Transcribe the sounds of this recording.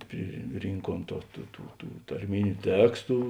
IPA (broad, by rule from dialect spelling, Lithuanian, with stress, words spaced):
pʲrʲɪˈrʲiːŋkuɔm toː ˈtuː tuː tuː tɐrʲˈmʲɪnʲʊ ˈtʲæːkstʊ